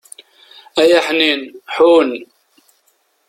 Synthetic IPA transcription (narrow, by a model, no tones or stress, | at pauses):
æjaħninħun